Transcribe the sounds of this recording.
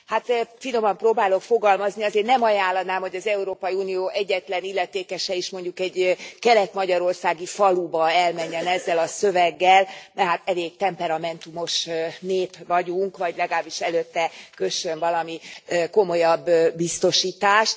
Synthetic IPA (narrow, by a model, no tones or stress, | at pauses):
haːt̪fino̞mɒmproːbaːlo̞kfo̞ɡɒlmɒzniɒzeːrnɛmɒjaːlːɒnaːmho̞ɟɒzɛuɾoːpɒjiuːnijoːʔɛɟːɛt̪lɛnilːɛt̪eːkɛʃɛiʃmo̞ɲɟukɛɟkɛlɛt̪mɒɟɒɾo̞rsaːɡifɒlubɒɛlmɛɲːɛnɛzːɛlɒsø̞vɛɡːɛlnɛɦat̪ɛleːɡ̚t̪ɛmpɛɾɒmɛnt̪umo̞ʃneːpvɒɟuŋkʋɒɟlɛɡaːbːiʃɛløːt̪ːɛkøʃønvɒlɒmiko̞mo̞jɒbːist̪o̞ʃiːt̪aːʃt̪